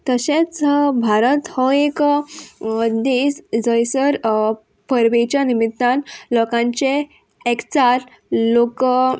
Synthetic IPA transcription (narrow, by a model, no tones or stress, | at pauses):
t̪əɕẽt͡sbʱaɾət̪hɔek | d̪esd͡zəjsəɾ | pəɾʋet͡ɕanimit̪ːãnlɔkãɲt͡ɕeː | kt͡saɾ | lok